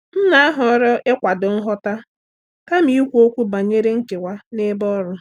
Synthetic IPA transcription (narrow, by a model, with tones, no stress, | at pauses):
n̩˦na˦a˦ɦɔ˨ɔ˦ɾɔ˦ʔe˦kʷa˨dʊ˨ŋ̩˦ɦɔ˦ta˦ | ka˦m̩˦i˦kʷo˦kʷu˦ba˨ɲe˦ɾe˦ŋ̩˦ke˨wʷa˦ne˦bɔ˦ɾʊ˦